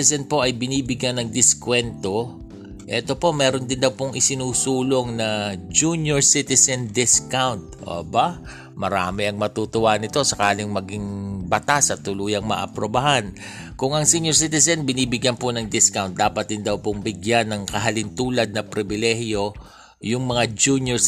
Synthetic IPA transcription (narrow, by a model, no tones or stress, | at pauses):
ɛsɛnpo̞ʔɐjbɪniːbɪɡjanːɐŋd̪ɪskwɛnt̪o̞ | ʔɛt̪o̞po̞mɛːɾo̞nd̪ɪnd̪ɐwpoŋʔɪsɪnuːsuːlo̞ŋnɐd͡ʒunjoɹsɪt̪ɛsɛnd̪ɪskawnt̪̚ʔo̰ːba | mɐɾa̰ːmɪʔɐŋmɐt̪uːt̪ʊwaːɐnɪt̪o̞sɐkaːlɪŋmɐɡɪŋbɐt̪asɐt̪ːʊluːjɐŋmɐ̰ʔɐ̰pɾobɐɦan | kʊŋɐŋsiɲjoɹs̬it̪ɛsɛnbɪniːbɪɡjanponɐŋd̪ɪskawnt̪̚d̪aːpɐt̪̚d̪ɪnd̪ɐwpoŋbɪɡjanːɐŋkɐɦɐlɪnt̪uːlɐd̪̚nɐpɾɪbɪlɛhjo̞ | jʊŋmɐŋad͡ʒunjoɹ